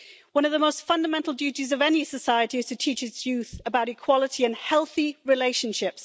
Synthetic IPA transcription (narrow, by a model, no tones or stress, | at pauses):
wʌ̃ñʌvðəmoʊstfʌ̃ndəmɛ̃ntˡl̩ˠdjʉˑtizəvɛnisəsaɪətiɨz̥tʰɨtʰiˑt͡ʃɪtsjʉˑθəbaʊɾɪkʰw̥ɒlˠətʰiɨ̃nhɛlˠθiɹɪleɪʃə̃nʃɪps